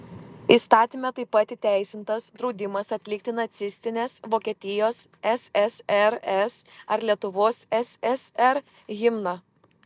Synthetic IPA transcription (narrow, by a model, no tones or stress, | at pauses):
ist̪ɑːt̪ʲiːmʲɛt̪ɐɪpːɑˑt̪ʲit̪ʲæˑɪsʲɪnt̪ɐsd̪ɾɒʊd̪ʲɪmɐsɐt̪ʲlʲɪk̚t̪ʲɪnɐt̪sʲɪsʲt̪ʲɪnʲeːsʋoːkʲiɛt̪ʲɪjoːs | ɛsɛsɛɾɛsɐɾlʲiɛt̪ʊʋoːsɛsɛsɛɾ | ɣʲɪmnɑ